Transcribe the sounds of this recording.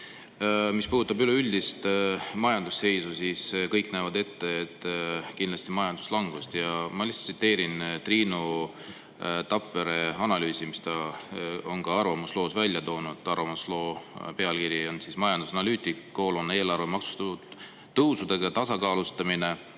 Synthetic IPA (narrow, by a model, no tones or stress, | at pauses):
mispuːd̪ut̪ːˑɑbyleylʲd̪̥ist̪mɑjɑnd̪usːe̞jsusiːskɤjknæːvɑd̪e̞t̪ːe̞et̪ːˑkind̪lɑst̪imɑjɑnd̪uslɑŋɡ̥ust̪jɑmɑlist̪sit̪ːe̞ːɾint̪riːnu | t̪ɑpfe̞ɾe̞ɑnɑlyːsimist̪ɑ | o̞nkɑɑrvɑmuslo̞ːsvælʲjɑt̪o̞ːnud̪̥ɑrvɑmuslo̞ːpe̞ɑlkiɾjio̞nsismɑjɑnd̪usɑnɑlyːt̪ʲˑikːo̞ːlone̞ːlɑrvemɑksu̥st̪u | t̪ɤwsud̪̥e̞ɡ̥ɑt̪ɑsɑkɑːlust̪ɑmine̞